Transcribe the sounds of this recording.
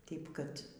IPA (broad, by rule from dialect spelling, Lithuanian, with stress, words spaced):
ˈtʲeːɪp kɐt